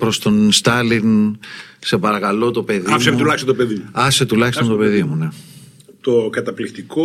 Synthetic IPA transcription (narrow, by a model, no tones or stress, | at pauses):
pɾo̞st̪o̞nst̪ɐlin | se̞pɐɾɐkɐlo̞t̪o̞pe̞ðimset̪ulɐçst̪ont̪opeðimuɐset̪ulɐçist̪ot̪o̞peðimune̞ | t̪okɐt̪ɐplikt̪iko